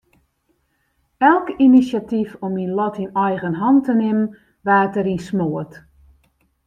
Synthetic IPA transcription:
ɛlˠkinisjatifɔminlɔtinɛjɣənɦɔntənɪmn | ʋaːtəɾinsmoət

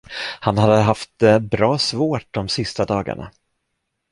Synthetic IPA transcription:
hanhad̪əɦaft̪bɾɑːsvoːʈ̚d̪ɔmsɪst̪ad̪ɑːɡa̰ɳa̰

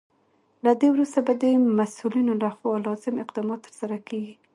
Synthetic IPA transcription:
lad̪ewɾust̪abad̪əmasulinolaxalɑzɪmɪqd̪ɑmɑt̪ːəɾsaɾakeɡi

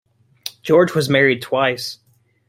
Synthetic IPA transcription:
d̥ʒ̥ɔɹd͡ʒwʌzmɛɹid̚tʰw̥aɪs

